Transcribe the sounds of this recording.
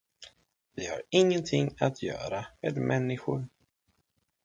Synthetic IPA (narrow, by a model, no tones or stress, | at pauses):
vɪha̰ɾɪŋːənt̪ʰɪŋːat̪ʰjœ̰ːɾameːd̪mʔɛnːɪɧʊɾ